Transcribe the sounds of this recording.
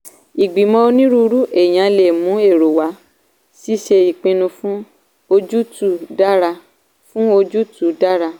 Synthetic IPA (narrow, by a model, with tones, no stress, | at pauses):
i˨ɡ͡bi˨mɔ̃˧o˧nĩ˦ɾu˧ɾu˦ʔe˨j̃ã˨˦le˨mũ˨˦e˦˨ɾo˨wa˨˦ | si˦ʃe˧i˨k͡pĩ˧nũ˧fũ˦ | o˧d͡ʒu˦tu˦˨da˦ɾa˧ | fũ˦o˧d͡ʒu˦tu˨˦da˦ɾa˧